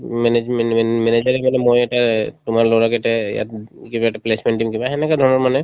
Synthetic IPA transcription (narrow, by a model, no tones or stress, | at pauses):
mɛnemɛɛmɛned͡ʒaɹɛmanɛmojɛʈatʊmaɹloɹakɛʈɛja̰t̪kibaɛʈaplesmɛnʈimkibaɛnɛkad̪ʱɔnɔɹmanɛ